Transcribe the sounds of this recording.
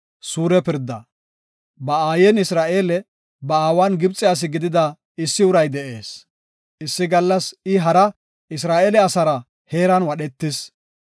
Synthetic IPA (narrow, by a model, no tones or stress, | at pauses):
suːɾɛpɪɾd̪ːɐ̰ | bɐaːjɛnɪsɾaːʔe̞ːlɛ | bɐaːwaːnɡɪbt͡sʼːɪjaːs̬ɪɡɪd̪ɪd̪ɐ | ɪsːɪʊɾɐjd̪ɛʔe̞ːs | ɪsːɪɡɐlːɐsɪɦɐɾɐ | ɪsɾaːʔeːlɛɐsɐɾɐ | heːɾɐnwɐɗɛt̪ːɪs